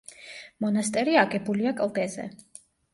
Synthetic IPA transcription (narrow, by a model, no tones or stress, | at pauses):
mɔnast̪ʼɛɾiakʼɛbuliakʼlˠd̪ɛzɛ̰